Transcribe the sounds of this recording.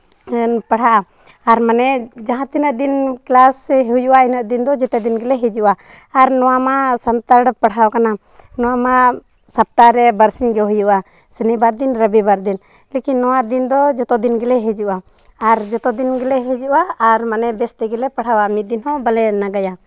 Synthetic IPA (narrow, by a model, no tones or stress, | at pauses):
npaɽ̤aʔaː | ɾmanɛd͡ʒaɦãt̪inəʔd̪inklasɛɦujuʔainəʔ̪d̪ind̪ɔd͡ʒɛt̪ɛd̪inɡɛlɛɦɛd͡ʒuʔaː | ɾnɔwamasant̪əɾɽəpəɽ̤awkana | nɔwama | sap̚t̪aɾɛbəɾsiɲɡɛɦujuʔa | sənibaɾd̪inɾəbibaɾd̪in | lekinːɔwad̪ind̪ɔd͡ʒɔt̪ɔd̪inɡɛlɛɦɛd͡ʒuʔaː | ɾd͡ʒɔt̪ɔd̪inɡɛlɛɦɛd͡ʒuʔaːɾmanɛbɛst̪ɛɡɛlɛpaɽawamit̪̚d̪inhɔ̃balɛnaɡaja